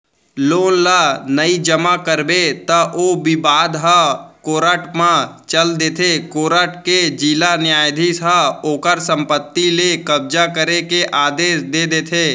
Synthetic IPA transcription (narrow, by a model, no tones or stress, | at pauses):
loːnlanəid͡ʒəmakəɾbet̪ɐʔobibaːd̪ɦakoːɾəʈmãt͡ʃəld̪eːt̪ʰekoːɾəʈked͡ʒilanɪjaːjd̪ʱisɦaoːkəɾsə̃mpət̪ːilekɐb̚d͡ʒakəɾekeʔaːd̪eːsd̪eːd̪eːt̪ʰeː